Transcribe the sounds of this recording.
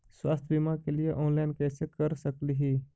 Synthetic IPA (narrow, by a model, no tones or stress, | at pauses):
swaːst̪ʰbimaːkelɪjeʔɔ̃ːnlaːɪnkɛːsekəɾsəkliɦiː